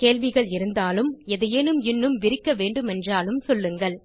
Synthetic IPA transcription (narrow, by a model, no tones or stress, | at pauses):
keːlʋɪɣɐɭɪɾɯnd̪aːlɯmɛðɯjeːnɯmɪnːɯmʋɪɾɪkːɐʋeːɳɖɯmɛndraːlɯmsɔlːɯŋɡɐɭ